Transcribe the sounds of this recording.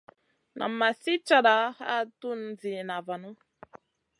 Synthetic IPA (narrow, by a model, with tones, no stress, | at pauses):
nʔa̰˨mːa˨si˦t͡ʃa˦ɗa˨˦a˦tu˦nd͡zi˨na˨va˨nu˦